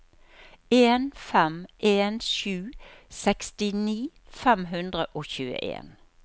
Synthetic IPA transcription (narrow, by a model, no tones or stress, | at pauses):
eːnfɛmʔeːnʃʉːsɛkst̪ɪniː | fɛmɦʉnd̪ʁəʔoːçʉːə̰ʔḛːn